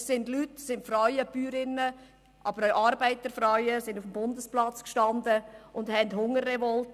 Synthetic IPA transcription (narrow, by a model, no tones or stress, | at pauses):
sɪndlytsɪntfɾaʏəb̥yːɾɪnːə | ʔɑbəɾʔɑːɾbæɪt̪əɾfɾaʏəsɪndufm̩bʊndəsplɑt͡skʃtɑndəʊndhɛndɦʊŋəɾːɛvɔlt